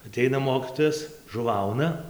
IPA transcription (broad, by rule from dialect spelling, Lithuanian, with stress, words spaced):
ɐˈtʲɛɪnɐ ˈmoːkʲiːtoːjɛs ʒʊˈʋɐʊnɐ